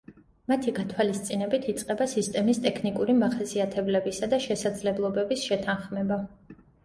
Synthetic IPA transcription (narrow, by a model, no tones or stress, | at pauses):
mat̪ʰiɡat̪ʰwalist̪sʼinɛbit̪ʰit̪sʼqʼɛbasist̪ʼɛmist̪ʼɛkʰnikʼuɾimaχasiat̪ʰɛblɛbisad̪aʃɛsad̪zlɛblˠɔbɛbisʃɛt̪ʰanχmɛba